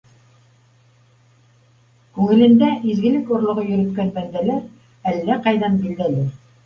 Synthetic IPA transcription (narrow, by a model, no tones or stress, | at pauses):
kʉŋɘ̆lɘ̆nd̪æʔizɡɘ̆lɘkŏɾlˠŏʁɤjɵ̆ɾɘ̆t̪kænbænd̪ælæɾ | ælːæqɑjðɑnbild̪ælɘ